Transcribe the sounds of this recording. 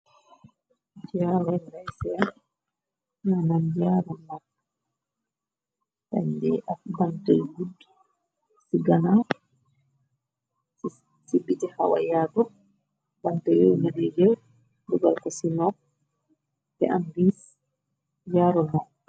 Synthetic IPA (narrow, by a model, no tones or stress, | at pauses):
d͡ʒaɾɛndajsɛ | nanamd͡ʒaɾɔna | ta̰ɲdɛʔafbanta̰jɡudː | siɡana | sibːitɛha̰wa̰jadɔ | bantajownadɛd͡ʒɛw | duɡalkɔsinɔ | ɛambis | jaɾɔnɔ